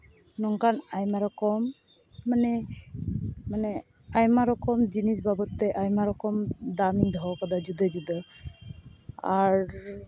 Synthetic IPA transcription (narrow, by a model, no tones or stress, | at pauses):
nɔŋkanajmaɾɔkɔmː | anɛ | manɛ | ajmaɾɔkɔmd͡ʒinisbabɔt̪ːɛʔajmaɾɔkɔmd̪amind̪ʱɔɔkɔd̪ad͡ʒud̪əd͡ʒud̪ə | aɾ